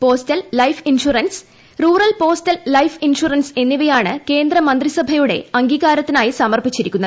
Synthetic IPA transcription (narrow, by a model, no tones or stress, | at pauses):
po̞ːstɐlːɐjfinʂurɐns | ruːrɐlpo̞ːstɐlːɐjfinʂurɐnse̞nːiʋɐjaːɳɨke̞ːnd̪rɐmɐnd̪risɐbʱɐjuɽe̞̰ɐŋɡiːɣaːɾɐt̪ːinaːjisɐmɐrpit͡ɕːiɾikʲːunːɐð